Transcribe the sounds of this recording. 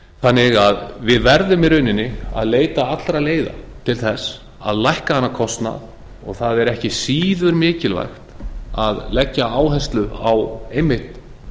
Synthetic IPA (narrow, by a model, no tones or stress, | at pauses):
θanːɪɣaðvɪðvɛɾðʏmɪɾʏːnɪnːɪa̰ðleːjt̪aat̪lɾaleːjða̰t̪ʰɪlθɛs | a̰ðlajhkahanːakʰɔst̪na̰ð | ɔ̰ɣθaðɛɾɛhcɪsiːðʏɾmɪːcɪlva̰jxt̪aðlɛcːaaːwɦɛst̪lʏawejmːɪht̪